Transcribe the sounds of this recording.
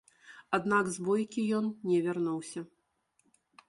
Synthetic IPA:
ad̪naɡzbɔjkʲijɔnnʲɛvʲarnɔwsʲɐ

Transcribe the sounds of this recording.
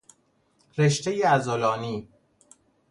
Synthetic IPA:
ɾeʃt̪ʰejeæzolɒːniː

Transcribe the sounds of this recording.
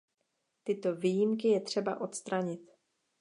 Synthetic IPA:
t̪ɪt̪o̞viːjɪmkɪjɛt̪r̝̥ɛba̰ʔo̞t̪st̪ɾaɲɪt̪

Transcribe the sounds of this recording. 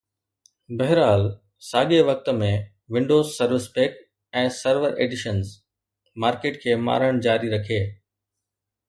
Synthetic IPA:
bɐɦɪɾaːl | saːɠeʋɐk̚t̪ə̆mẽ | ʋɪ̃ɳɖoːzsɐɾʋɪspeːk | ɛ̃ːsɐɾʋəɾʔḛːɖɪʃənz | maːɾkeːʈkʰeːma̰ːɾəɽ̃d͡ʑaːɾiɾɐkʰeː

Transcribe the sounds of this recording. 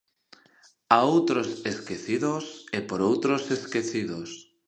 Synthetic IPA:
aowt̪ɾoseskeθiðosepoɾowt̪ɾoseskeθiðos

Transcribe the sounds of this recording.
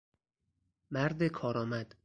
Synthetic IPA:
mæɾd̪ekʰɒːɾɒːmæd̪̥

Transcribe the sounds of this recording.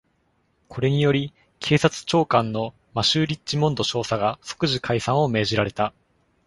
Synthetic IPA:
kʰo̞ɾe̞ɲ̟ijo̞ɾʲi | kʰe̞ːsat͡sɨ̥t͡ɕo̞ːkãnːo̞ | maɕɨːɾʲit͡ɕːimõ̞nd̪o̞ɕo̞ːsaɡaso̥kɯ̟ʑikʰaisãɰ̃o̞me̞ːʑiɾaɾe̞t̪a

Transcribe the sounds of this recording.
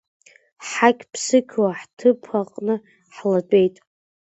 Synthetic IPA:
ħakʲpʰsɨkʲʰwaħtʰɨpʰaqʼnɨ | ħladʷʼe̞jtʼ

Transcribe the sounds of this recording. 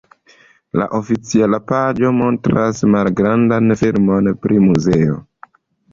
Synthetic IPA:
la̰ʔo̞fit͡sialapad͡ʒo̞mo̞ntɾasmalɡɾandanfilmo̞npɾimuze̞o̞̰

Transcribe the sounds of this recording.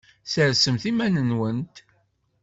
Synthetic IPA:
səɾsəmθimænənwənt̪

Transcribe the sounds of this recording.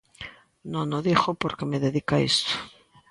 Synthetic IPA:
nõnoðixopoɾkemeðeðikaist̪o̥

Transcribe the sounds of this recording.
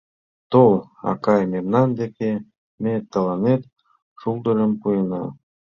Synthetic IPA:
t̪olˠɑ̰kɑjmemnɑnd̪eke | met̪ːɑlˠɑnet̪ | ʂulˠd̪ə̆lə̆mpujɤnɑ̰

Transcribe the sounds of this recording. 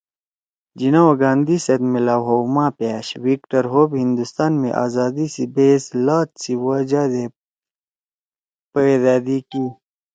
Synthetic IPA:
d͡ʒinawɡãːnd̪isɐd̪melaːwɦoːmãːpjaːɕwikʈɐɾɦoːbhĩnd̪ust̪aːnmḛ̃ʔa̰ːzaːd̪isibeːslaːt̪siwad͡ʑaːd̪e | pəd̪aːd̪ikiː

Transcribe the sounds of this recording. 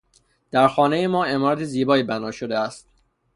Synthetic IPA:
d̪̥æɾxɒːne̞jemɒːe̞mɒːɾæt̪ʰeziːbɒːiːbænɒːʃod̪eæst̪̚

